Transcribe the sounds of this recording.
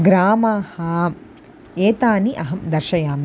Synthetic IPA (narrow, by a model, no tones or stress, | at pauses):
ɡɾaːmaːhɐː | eːt̪aːniʔɐɦɐmd̪ɐɾʃɐjaːmi